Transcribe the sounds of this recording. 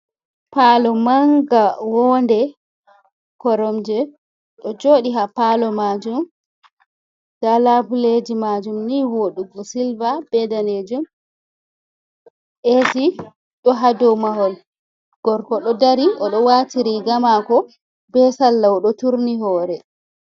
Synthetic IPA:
palɔmaŋɡawɔndɛ | kɔɾɔmd͡ʒɛ | ɗɔd͡ʒoːɗiɦapalɔmad͡ʒum | d̥alabuled͡ʒimad͡ʒumniwoɗuɡɔsilvab̥ɛdaned͡ʒum | ʔesi | ɗɔɦadɔwmahɔl | ɡ̥ɔɾkɔɗɔdaɾiʔɔɗɔwatiɾiɡamakɔ | bɛsalːawɔɗɔtuɾniɦɔːɾɛ

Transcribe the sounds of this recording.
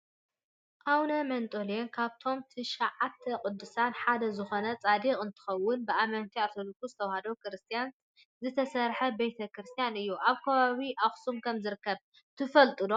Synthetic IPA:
ʔawnɐmɐnt̪ʼolijonkʰaβt̪ʰo̞mt̪ʰɨʃaʕat̪ʰːɐkʼʊd̪ːɨsanħad̪ɐzɨxo̞nɐt͡sʼad̪ikʼɨnt̪ʰɨ̥xɐwːʊnbɨʔamɐnt̪ʰiaɾt̪ʰolikːuzɨt̪ʰɐwhɐd̪okɾɨst̪ʰijan | zɨt̪ʰɐsɐɾħɐbejt̪ʰɐkɾɨst̪ʰijanɨjːuʔaβkʰɐβaβiʔaxsumkʰɐmzɨɾɨkːɐβ | t̪ʰɨfɐlt̪ʼɨd̪o

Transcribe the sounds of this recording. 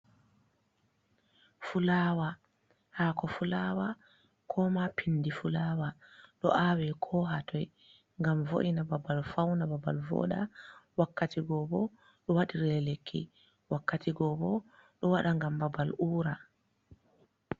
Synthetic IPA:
fulaːwa | haːkɔfulawa | kʰɔmapʰinːdifulaːwaɗɔʔawɛkʰɔɦatʰɔj | ŋɡamvo̰ʔinababalfawnababa̰lvɔ̰ɗawakːatiɡɔbɔ | ɗɔwaɗiɾɛɛlekʰːḭ | wakːatiɡɔbɔɗɔwaɗaŋɡambabaluːɾa

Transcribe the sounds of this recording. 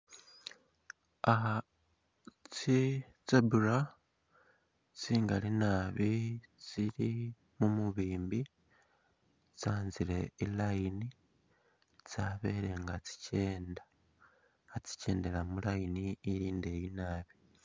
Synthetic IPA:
aɦa | t͡si | t͡sebuɾa | t͡siːŋɡalinaːβit͡siɾi | mumuβiːmbi | t͡saːnziɾe̞ilajini | t͡saːβe̞ɾe̞ŋɡat͡si̥ce̞ːnda | at͡si̥ce̞ːndeɾamulajiniːɾiːnde̞ːjinaːβi

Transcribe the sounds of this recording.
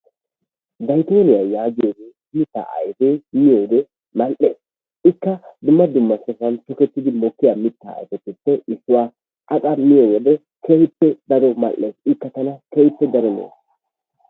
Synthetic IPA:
d̪ɐjt̪oːnɪjajaːɡɪjoɡe | mɪt̪ːa̰ːʔɐ̰jfeːmɪjoːd̪ɛ | mɐlʔeːs | ɪkːɐd̪ʊmːɐd̪ʊmːɐsɔfɐnt̪ɔkɛt̪ːɪd̪ɪmɔkːɪjaːmɪt̪ːa̰ːjfɛt̪ːɪpːɛʔɪsːʊwaː | ʔɐkʼɐmɪjowɔd̪ɛ | kehɪpːɛd̪ɐɾɔmɐ̰lʔːeːsɪkːɐt̪ɐnɐkehɪpːɛd̪ɐɾɔnḛːs

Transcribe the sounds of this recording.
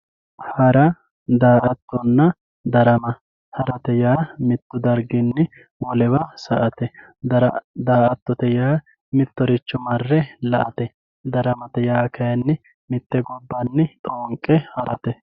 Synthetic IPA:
hɐɾɐ | d̪aːʔɐt̪ːɔnːɐ | d̪ɐɾɐmɐ | hɐɾɐt̪ɛjaːmɪt̪ːʊd̪ɐɾɡɪnːɪ | wɔlɛwɐsɐʔɐt̪ɛ | ɐɾd̪aːʔɐt̪ːɔt̪ɛjaː | mɪt̪ːɔɾɪt͡ʃːʊmɐrːɛlɐʔɐt̪ɛ | d̪ɐɾɐmɐt̪ɛjaːkɐjɐnːɪ | mɪt̪ːɛɡɔbːɐnːɪt̪ʼoːŋkʼːɛhɐɾɐt̪ɛ

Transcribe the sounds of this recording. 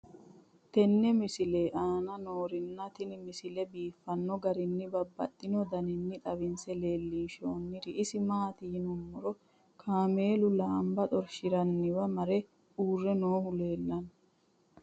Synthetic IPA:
t̪ɛnːɛmɪsɪleːʔaːnɐnoːɾɪnːɐt̪ɪnmɪsɪlɛbiːfːɐnːɔɡɐɾɪnːɪbɐbːɐ̰t̪ʼːɪnɔd̪ɐnɪnːɪt̪ʼɐβɪnsɛle̞ːlːiːnʃoːnːɪɾɪʔɪsɪmaːt̪ɪjnʊmːɔɾɔ | kʰaːme̞ːlʊlaːmbɐt̪ʼɔɾʃɪɾɐnːɪwɐmɐɾɛ | uːrːɛnoːhʊle̞ːlːɐn

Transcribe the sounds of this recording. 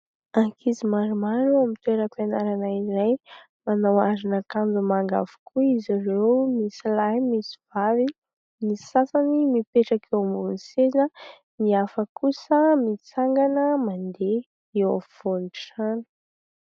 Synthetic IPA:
akʰizimaɾumaɾuamit̪weɾəpenaɾanaiɾaj | manawazinakambumaŋɡa̰v̥u̥kʰuiziɾewmisilajmisiv̥avi | mii̥sasanimipeʈ͡ʂakʰewmbunisenə | miafəkusəmit͡saŋɡanəmand̪e | ewav̥oniʈ͡ʂanə̥

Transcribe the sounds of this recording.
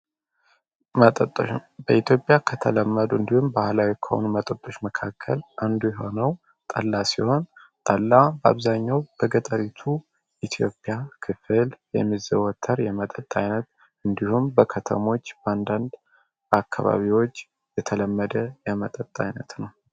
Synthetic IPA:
mət̪ʼət̪ʼːbəit̪ʰjo̞pʼːjakʰət̪ʰələmːəd̪uɨnd̪ihumbahlawikʰːəho̞̰numət̪ʼət̪ʼːoʃməkʰakʰːə̰lʔand̪ujɛho̞nəw | t̪ʼə̰lːasiho̞nt̪ʼəlːabəa̰βzaɲːawb̥əɡət̪ʼəɾit̪ʰu | ʔit̪ʰjo̞̰pʼːjakʰɨfɨljɛ̰mːizəwɔt̪ʰːəɾjɛmət̪ʼət̪ʼːajnət̪̚ | ʔɨnd̪ihumbəkʰət̪ʰə̰mo̞t͡ʃːband̪and̪ | akʰːa̰βa̰βiwo̞t͡ʃː | jɛt̪ʰələmːəd̪əjɛmət̪ʼət̪ʼːa̰jnət̪nəw

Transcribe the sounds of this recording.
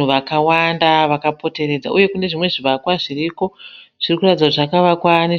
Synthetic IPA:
uʋakawandaʋakapo̞te̞ɾe̞d͡za̰ʔuje̞kune̞ʐimwe̞ʐiʋakwaʐiriko̞ʐ̥irikuratid͡zaʐakaʋakwani

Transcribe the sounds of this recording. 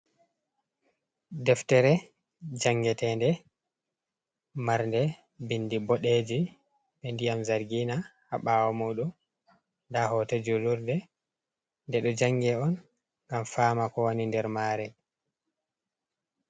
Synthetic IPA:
dɛftɛɾɛ | d͡ʒaŋɡɛtɛːndɛ | maɾndɛ | bindibɔɗed͡ʒi | ɓɛndijamzaɾɡiːnaha̰ɓaːwɔmuɗum | ndahɔted͡ʒuluɾdɛ | ndɛɗɔd͡ʒaŋɡɛɔn | ŋɡamfaːmakɔwonindɛɾmaːɾɛ

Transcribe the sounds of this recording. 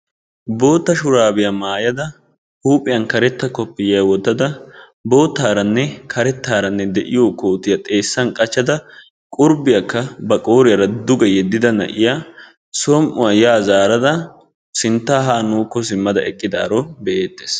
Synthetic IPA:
bo̞ːt̪ːɐʃʊɾaːbɪjɐmaːjɐd̪ɐ | huːpʼɪjɐnkɐɾɛt̪ːɐkɔpːɪjɐwɔt̪ːɐd̪ɐ | bo̞ːt̪ːaːɾɐnːɛkʰɐɾɛt̪ːaːɾɐnːɛd̪ɛ̰ʔɪjoːkoːt̪ɪjɐt̪ʼe̞ːsːɐnkʼɐt͡ʃːɐd̪ɐ | kʼʊɾbɪjɐkːɐbɐkʼo̞ːɾɪjɐɾɐd̪ʊɡɐjɛd̪ːɪd̪ɐnɐ̰ʔɪja | sɔmʔʊ̰wɐjaːzaːɾɐd̪ɐ | sɪnt̪ːaːɦaːnuːkːɔs̬ɪmːɐd̪ɐɛkʼːɪd̪a̰ːɾɔbɛʔeːt̪ːe̥ːs

